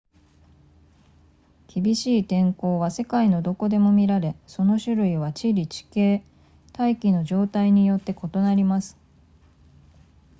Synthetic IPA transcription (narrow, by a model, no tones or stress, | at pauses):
kʲibʲiɕiːt̪ẽ̞ŋko̞ːβase̞kaino̞d̪o̞ko̞d̪e̞mo̞mʲiɾaɾe̞so̞no̞ɕɨɾɯ̟iβ̞at͡ɕiɾʲit͡ɕi̥ke̞ː | t̪aikʲino̞ʑo̞ːt̪aiɲ̟ijo̞t̪ːe̞ko̞t̪o̞naɾʲimasɨ̥